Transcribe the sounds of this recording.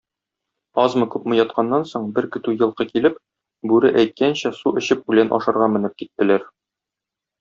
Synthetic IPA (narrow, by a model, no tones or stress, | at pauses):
ɒzmɤkʉpmɤ̆jɒt̪̚qʰɑnːɑnsoɴbɘɾkɘ̆t̪ʉjɤ̆lˠqɤkilɘp̚ | bʉɾɘʔæjt̪̚kænɕæsuʔɘ̆ɕɘp̚ʉlænʔɒ̰ʃɑɾʁɑmɘ̆nɘp̚kit̪ːɘ̆læɾ